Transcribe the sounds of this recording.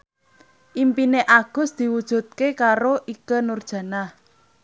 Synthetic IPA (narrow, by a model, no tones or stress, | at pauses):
ʔimpineʔaɡ̥ʊ̤sd̪̥i̤wud̥ʒ̥ṳt̪̚kekaɾoʔikənurd̥ʒ̥ä̤nah